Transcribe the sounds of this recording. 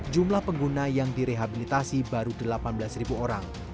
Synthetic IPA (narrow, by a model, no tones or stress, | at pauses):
d͡ʒumlahpəŋɡunajaŋdiɾeɦabilit̪asibaɾudəlapanbəlasribuoɾaŋ